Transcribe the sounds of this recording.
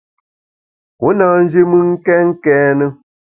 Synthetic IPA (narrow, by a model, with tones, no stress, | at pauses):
ko˨˦naː˦n̩˦d͡ʒi˦mɨ˦ŋ̩˦kɛ˦ŋ̩˦kɛː˦nə˦